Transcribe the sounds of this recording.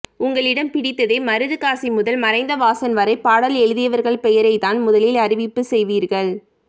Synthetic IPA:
ʊŋɡɐɭɪɽɐmpɪɽɪt̪ːɐðeːmɐɾɯðɯkaːsimʊðɐlmɐɾɐɪnd̪ɐʋaːsɐnʋɐɾɐɪpːaːɽɐlɛɻɯðɪjɐʋɐɾɣɐɭpɛjɐɾɐɪt̪aːnmʊðɐlɪlɐɾɪʋɪpːɯsɛjʋiːɾɣɐɭ

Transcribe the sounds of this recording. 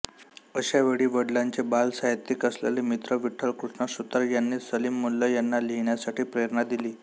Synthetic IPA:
əɕaʋeɽiːʋəɽlaɲt͡ɕebalsaɦit̪ːikəslḛlemit̪ɾəʋiʈʰəɭkɾuʂnəsut̪əɾjanːiːsəlimːulːəjanːaliɦɳjasaʈʰiːpɾejəɾnad̪iliː

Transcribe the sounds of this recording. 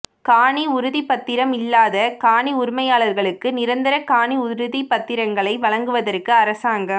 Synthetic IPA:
kaːɳiʊɾɯðipɐt̪ːɪɾɐmɪlːaːðɐkaːɳiʊɾʊmɐjaːɭɐɾɣɐɭɯkːɯnɪɾɐnd̪ɪɾɐkaːɳiʊɾɯðipːɐt̪ːɪɾɐŋɡɐɭɐɪʋɐɭɐŋɡɯʋɐðɐrkːɯɐɾɐsaːŋɡɐm

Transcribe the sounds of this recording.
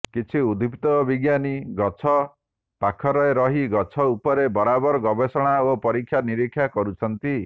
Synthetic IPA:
kit͡ʃʰiud̪ʱipt̪ɔbiɡjaniɡɔt͡ʃʰɔ | pakʰɔɾɔeɾɔɦiɡɔt͡ʃʰɔupɔɾebɔɾabɔɾɔɡɔbesɔɽ̃aopɔɾikʰːjaniɾikʰːjakɔɾut͡ʃʰɔnt̪i

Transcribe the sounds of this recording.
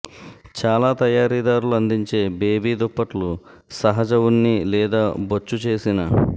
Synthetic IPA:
t͡ʃaːlaːt̪ɐjaːɾiːd̪aːɾuluɐnd̪iɲt͡ʃe̞ːbeːbiːd̪ɔpːɐʈlu | sɐɦɐd͡ʒɐwunːilɛːd̪aːbot͡ʃːut͡ʃe̞ːsinɐ

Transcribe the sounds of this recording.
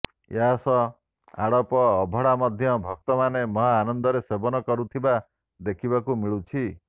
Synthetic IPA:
eɦasɔ | a̰ɽɔpɔːbʱɔɽamɔd̪ʱjɔbʱɔk̚t̪ɔmanemɔɦaanɔnd̪ɔɾesebɔnɔkɔɾut̪ʰiba | d̪ekʰibakumiɭut͡ʃʰi

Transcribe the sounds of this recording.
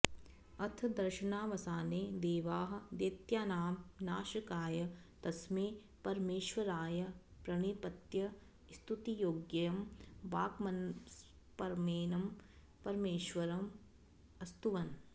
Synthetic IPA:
ɐt̪ʰd̪ɐɾʃɐnaːʋɐsaːneːd̪eːʋaːɦɐ̆d̪eːt̪jaːnaːmnaːʃɐkaːjɐ | t̪ɐsmeː | pɐɾmeːʃʋɐɾaːjɐpɾɐɳipɐt̪jɐ | st̪ut̪ijoːɡjɐjɐmbaːkmɐns | pɐɾmeːnɐm | pɐɾmeːʃʋɐɾɐm | ɐst̪uʋɐn

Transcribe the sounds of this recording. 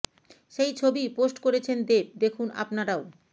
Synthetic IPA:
ʃejt͡ɕʰobiposʈkoɾet͡ɕʰend̪eb̚d̪ekʰuna̰pnaɾao

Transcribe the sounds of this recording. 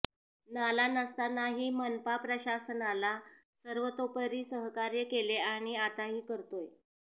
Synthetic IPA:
nalanəst̪anaɦiːmənpapɾəɕasənala | səɾʋət̪opəɾiːsəɦkaɾjəkeleaɽ̃iat̪aɦiːkəɾt̪oj

